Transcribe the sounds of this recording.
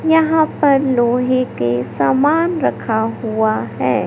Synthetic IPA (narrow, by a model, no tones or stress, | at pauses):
jɐɦãpɐɾloːɦekesaːmaːnɾɐkʰaɦuaɦɛː